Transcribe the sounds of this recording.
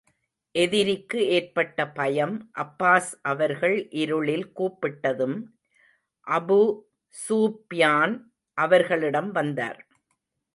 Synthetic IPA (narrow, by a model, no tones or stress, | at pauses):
ʔɛðɪɾɪkːɯeːrpɐʈːɐpɐjɐmʔɐpːaːsʔɐʋɐɾɣɐɭʔɪɾɯɭɪlkuːpːɪʈːɐðɯm | ʔɐbu | suːpjaːn | ʔɐʋɐɾɣɐɭɪɽɐmʋɐnd̪a̰ːɾ